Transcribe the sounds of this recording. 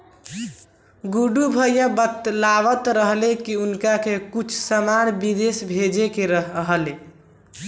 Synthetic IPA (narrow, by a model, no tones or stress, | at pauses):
ɡuɖubʱəjjabət̪laʋət̪ɾəɦlekiunkakekut͡ʃʰsəmanbid̪esbʱed͡ʒekeɾəɦɦle